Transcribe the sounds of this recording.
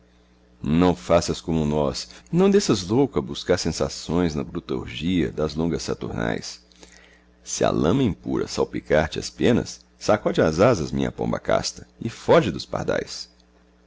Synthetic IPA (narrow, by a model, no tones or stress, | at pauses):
nɐ̃w̃fasɐskõmʊnɔsnɐ̃w̃d̪eʃɐzlowkɐbuskaɾsẽsasõj̃znɐbɾut̪o̰ɾʒiɐ̰d̪ɐzlõŋɡɐsːat̪uɾna̰js | sɪɐ̰lɐ̰̃mɐĩpuɾɐ̰sawpikaɾt͡ʃɪɐspẽnɐ̰sː | akɔd͡ʒɪazazɐzmĩɲɐ̰põ̰mbɐ̰ka̰st̪ɐ̥ɪfɔʒɪd̪ʊspa̰ɾd̪a̰js